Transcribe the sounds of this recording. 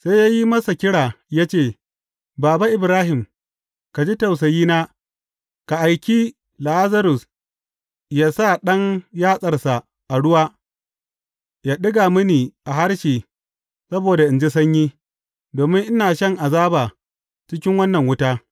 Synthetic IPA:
sa˦jaː˦ji˦mɐ˦sa˨kʲɪ˦ɽaː˨ja˦t͡ʃeː˦˨ | baː˨ba˦ʔɪ˨bɾaː˦ɦɪ˨m | ka˨d͡ʒi˦tɐ˨ws̬a˨jiː˦naː˦ | ka˨ʔa˨jkʲiː˦ | la˨ʔa˦zɐ˦ɾʊ˨s | jaː˦sa˦˨ɗɐ˦ŋjaː˦sʼɐ˨rsa˨ | ʔa˨ɽʊ˦waː˦ | jaː˦ɗɪ˦ɡaː˨mɐ˦niː˨ʔa˨ɦa˦ɽʃiː˨ | sɐ˦boː˨da˨ʔɪ˨nd͡ʒi˦s̬ɐ˦ɲjiː˦ | doː˨mɪ˦ŋʔɪ˦naː˨ʃɐ˦ŋʔa˨zaː˦baː˨ | t͡ʃɪ˦kʲɪ˦ŋwɐ˦nːɐ˨ŋwʊ˦taː˦

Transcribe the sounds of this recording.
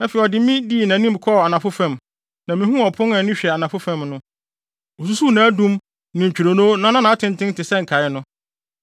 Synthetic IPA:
nã˨˦fɛ˨ɔ˨dɪ˨˦mĩ˦diː˦˨nã˨nĩ˦mkʰɔ˦˨a˨nã˨fʊ˦fã˨m | nã˨mĩ˨˦hũ˦ɔ˨pʰʊ̃˦na˨nʊ̃˦ɕᶣɛ˨a˨nã˨fʊ˦fã˦˨mnʊ̃˦ | o˨s̬u˦su˦˨nã˨˦dũ˦m | nɪ̃˨t͡ɕᶣi˨ɾo˨nõː˦nã˨˦nã˦nã˨a˦tʰɪ̃˨ntʰɪ̃˦n˦tɪ˨sɛ̃˦ŋ̩˨kʰa˨ɪ˦nʊ̃˦

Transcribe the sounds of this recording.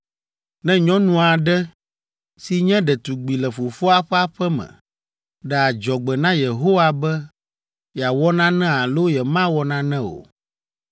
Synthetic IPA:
nɛ̃˦ɲɔ̃˦nũ˦a˨ɖɛ˦ | si˨ɲɛ̃˦ɖɛ˨t̪u˨ɡ͡bi˨lɛ˨fo˨fo˦a˦ɸɛ˦a˦ɸɛ˦mɛ̰̃˨ | ɖɛ˨a˨d͡ʒɔ˨ɡ͡bɛ˨nã˦je˨ɦo˦wa˦bɛ˦ | ja˨wɔ˦nã˦nɛ̃˦a˨lo˦jɛ˨mã˦wɔ˨nã˦nɛ̃˦o̰˨

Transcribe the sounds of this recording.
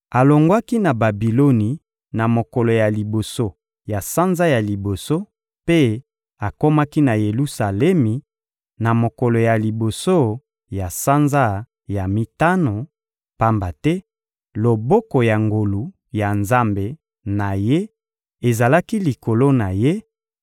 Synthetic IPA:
a˨lo˨ŋɡwa˦ki˦na˨ba˨bi˨lo˦ni˨ | na˨mo˨ko˨lo˨ja˨li˨bo˨so˦ | ja˨sa˦nza˦ja˨li˨bo˨so˦ | pe˦ | a˨ko˦ma˦ki˦na˨je˨lu˦sa˨lɛ˦mi˨ | na˨mo˨ko˨lo˨ja˨li˨bo˨so˦ | ja˨sa˦nza˦ | ja˨mi˦ta˦no˨ | pa˦mba˨tɛ˦ | lo˨bo˦ko˨ja˨ŋɡo˨lu˨ | ja˨nza˦mbe˨ | na˨je˦ | e˨za˨la˦ki˦li˨ko˨lo˦na˨je˦

